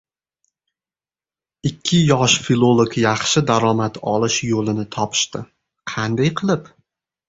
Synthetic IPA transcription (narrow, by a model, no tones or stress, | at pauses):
ɪkʲʰːɪjɒʃfilˠolˠokjɑχʃɪd̪aɾɒmat̪ʰɒlˠɪʃjolɪnɪt̪ʰɒpʰɪ̥ʃt̪ɪ | qʰɑnd̪ajqʰɨlˠɪp